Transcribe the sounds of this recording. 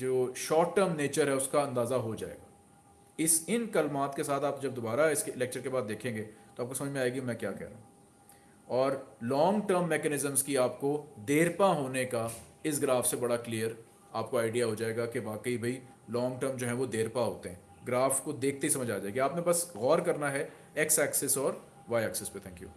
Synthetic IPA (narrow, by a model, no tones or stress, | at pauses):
d͡ʒoːʃɔːʈːəːɾmneːt͡ʃəɾɦɛʊskaɐ̃nd̪aːzaɦod͡ʒa̰ːḛːɡaː | ɪsɪnkɐlmaːt̪kesaːt̪ʰaːpd͡ʒɐb̚d̪obaːɾaɪskeɪlɛːk̚t͡ʃəɾkebaːd̪̚d̪eːkʰẽːŋɡeːt̪oaːp̚kosɐməd͡ʒmẽaːeɡĩmɛ̃ːkja̰ːkɛ̰ɦɾa̰ːɦ | ɔːɾlɔ̃ːŋɡʈəɾmːɛːkɛnɪzə̃mzkiaːpkod̪eːɾpaɦoːneka | ɪsɡɾaːfsebɐɽaklijəɾ | aːp̚koaːɪɖijaɦod͡ʒaːeːɡakeʋaːkəibʱɐi | lɔ̃ːŋɡʈəɾmd͡ʒoːɦɛ̃ʋod̪eːɾpaɦoːt̪eɦɛ̃ | ɡɾaːfkod̪eːk̚ʰt̪eɦisɐməd͡ʒaːd͡ʒaːeɡiaːpnẽbɐsɣɔːɾkɐɾnaɦɛ | ɛksɛːksɛsɔːɾ | ʋaːɛːksɛspet̪ʰɛ̃ːŋkjṵː